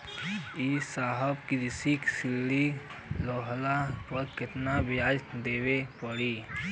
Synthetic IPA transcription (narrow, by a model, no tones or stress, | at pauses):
isaːɦəbkiɾɪsiksɪllilɔːɦlapəɾkɪt̪nabɪjaːd͡ʒt̪d̪eːwepəɽiː